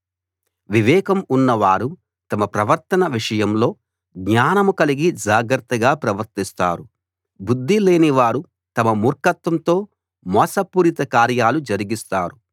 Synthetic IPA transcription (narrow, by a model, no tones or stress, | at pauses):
ʋiʋɛːkɐmunːɐʋaːɾu | t̪ɐmɐpɾɐʋɐɾt̪ɐnɐʋiʂɐjɐmlo̞ː | ɡɲaːnɐmukɐliɡid͡ʒaːɡɾɐt̪ːɐɡaːpɾɐʋɐɾt̪ist̪a̰ːɾu | bud̪ʱːile̞ːniʋaːɾu | t̪ɐmɐmuːɾkɐt̪ʋɐmt̪o̞ː | mɔːsɐpuːɾit̪ɐkaːɾjaːlud͡ʒɐɾiɡist̪aːɾu